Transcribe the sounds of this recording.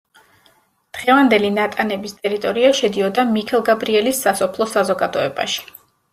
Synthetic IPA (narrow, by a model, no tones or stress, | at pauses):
d̪̥ʁɛvand̪ɛlinat̪ʼanɛbist̪ʼɛɾit̪ʼɔɾiaʃɛd̪iɔd̪amikʰɛlˠɡabɾiɛlisːasɔpʰlˠɔsazɔɡad̪ɔɛba̰ʃi̥